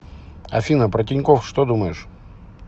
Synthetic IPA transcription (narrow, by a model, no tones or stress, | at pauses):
ɐ̰fʲinəpɾətʲɪnʲkofʂt̪od̪uməjɪʂ